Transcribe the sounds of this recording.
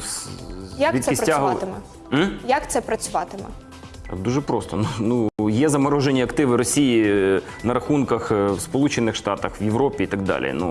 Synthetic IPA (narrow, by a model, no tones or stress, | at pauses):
jakbʲiɛɪsɾtʲaɦɔt̪ɪmɛ | jɐkt̪sɛpɾɐt͡sʲʊʋɑt̪ɪmɛ̰ | ɑ̰d̪uʒɛpɾost̪ɔnunujɛzɐmɐɾoʒenʲiɐkt̪ɪʋɪɾɔsʲijinɐɾɐxunkɐxʋspɔlˠut͡ʃɪnːɪxʂt̪ɑt̪ɐxʋjɪʋɾɔpʲiit̪ɐɡ̚d̪ɑ̰lʲḭnṵ